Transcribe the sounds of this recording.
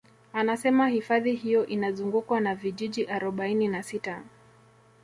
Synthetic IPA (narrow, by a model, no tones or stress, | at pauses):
anasɛmahifaðihijɔʔinazuŋɡukwanaviʄiʄiʔaɾɔɓaininasita